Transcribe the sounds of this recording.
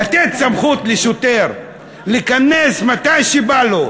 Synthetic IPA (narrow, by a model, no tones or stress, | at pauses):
at̪et̪samχut̪leʃot̪eɾ | likanesmat̪ajʃibalo